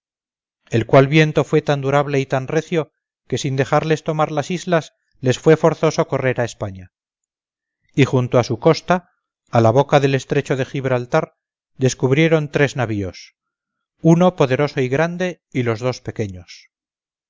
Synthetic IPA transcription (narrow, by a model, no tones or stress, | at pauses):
e̞lkwalβje̞nt̪o̞fwe̞t̪and̪uɾaβle̞it̪anre̞θjo̞ | ke̞sind̪e̞χaɾle̞st̪o̞maɾlasizlas | le̞sfwe̞fo̞ɾθo̞soko̞re̞ɾaespaɲa | ixunt̪oasuko̞st̪aː | laβ̞o̞kaðele̞st̪ɾe̞t͡ʃo̞ðe̞xiβ̞ɾalt̪aɾ | d̪e̞skuβɾje̞ɾo̞nt̪ɾe̞znaβio̞s | uno̞po̞ðe̞ɾo̞so̞iɣɾand̪e̞ | ilo̞zðo̞spe̞ke̞ɲo̞s